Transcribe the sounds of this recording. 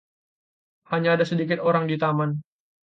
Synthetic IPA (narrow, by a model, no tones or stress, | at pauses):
haɲaːdasədikɪt̪oɾaŋdit̪aman